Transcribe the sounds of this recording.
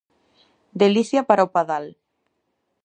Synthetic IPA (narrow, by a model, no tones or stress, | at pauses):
d̪eliθjapaɾaopaðal